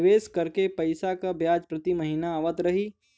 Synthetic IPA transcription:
ʋeːskəɾkepəɪsakabjaːd͡ʒpɾət̪iməɦinaːʋət̪ɾəɦi

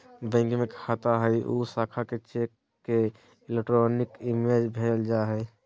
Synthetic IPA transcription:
bə̃ɪ̃ŋɡmẽkʰat̪aɦəjʔo̰saːkʰaket͡ʃekː | e | ɪlek̚ʈɾonɪkimed͡ʒbʱeld͡ʒaɦə

